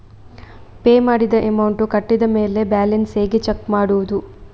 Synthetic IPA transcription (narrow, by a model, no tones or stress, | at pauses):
pe̞ːmaːɽid̪ɐʔemɐwɳʈukɐʈːid̪ɐmeːle̞baːlenseːɡet͡ʃekːmaːɽuʋud̪u